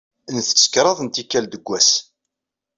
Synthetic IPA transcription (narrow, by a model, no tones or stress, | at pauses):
nθə̥t͡sːə̥kɾˤɑðˤnt̪ikːæld̪əɡʷːæs